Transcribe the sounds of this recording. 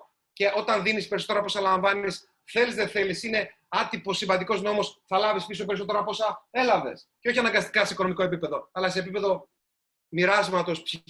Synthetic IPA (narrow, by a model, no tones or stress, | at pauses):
ce̞ʔo̞t̪ɐnðinispe̞ɾiso̞t̪eɾɐpo̞sɐlɐɱvɐnis | θe̞lizðe̞θe̞lisine̞ | ɐt̪ipo̞sːivɐnd̪iko̞zno̞mo̞sθɐlɐvispiso̞p̬e̞ɾiso̞t̪e̞ɾɐpo̞sɐe̞lɐve̞̰sceo̞çiɐnɐŋɡɐst̪i̥kɐse̞iko̞no̞miko̞e̞pipe̞ðo̞ɐlɐseːp̬ipe̞ðo̞ | miɾɐzmɐt̪o̞spç